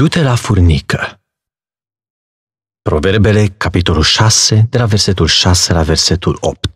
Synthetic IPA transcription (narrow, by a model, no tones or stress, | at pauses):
d̪̥ut̪e̞lafurnikʰə | pɾo̞ve̞rbe̞le̞kapit̪o̞lulʃase̞d̪e̞laverse̞t̪ulʃase̞lave̞rse̞t̪ulo̰p̚t̪̚